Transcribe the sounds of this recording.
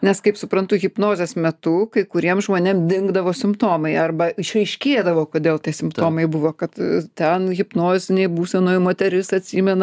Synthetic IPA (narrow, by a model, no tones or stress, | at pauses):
nʲɛskɐɪpsʊpɾɐnt̪ʊɣʲɪpnoːzʲɛsmʲɛt̪ukɐɪkʊɾʲiɛmʒmoːnʲemd̪ʲɪŋɡd̪ɐʋoːsʲɪmpt̪oːmɐɪɐrbɐɪʃrɐɪʃʲkʲeːd̪ɐʋoːkoːd̪ʲeːlˠt̪ʲiɛsʲɪmpt̪oːmɐɪbʊʋoːkɐt̪t̪ʲɛnɣʲɪpnoːzʲɪnʲɛɪbuːsʲɛnoːjmoːt̪ʲɛɾʲɪsɐt̪ʲsʲiːmʲɛnɐ